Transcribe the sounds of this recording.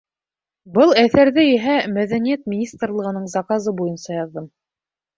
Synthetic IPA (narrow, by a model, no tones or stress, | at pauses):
bɤlˠæθæɾðɘjɘɦæmæðænijæt̪̚mʲɪnʲist̪rlˠɤ̆ʁɤ̆nɤɴzɑkazɤbujɤnsɑjɑðːɤm